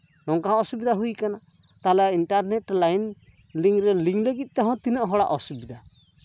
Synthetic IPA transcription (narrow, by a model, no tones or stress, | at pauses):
nɔŋkãɔsubɛd̪aɦujkana | t̪alɛinʈaɾnɛʈlajn | liŋɾɛliŋləɡit̪̚ˀt̪ɛɦɔ̃t̪inɔʔɦɔɽa̰ʔɔsubid̪a